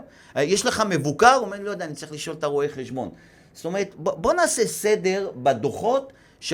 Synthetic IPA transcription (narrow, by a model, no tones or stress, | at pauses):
jeʃleχame̞vukaʁomeload̪anitt͡saɐʁiχliʃo̞lt̪aʁoe̞χeʃbo̞̰n | st̪o̞me̞ʁet̪bobo̞naːsese̞d̪e̞ʁbad̪oχo̞t̪ | ʃ